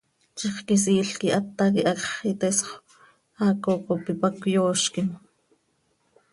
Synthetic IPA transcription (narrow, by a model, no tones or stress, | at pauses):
t͡ʃiχkis̬iːɬkiʔat̪ːakiʔɑkχit̪esχ | aːkokopipakjoːʃkim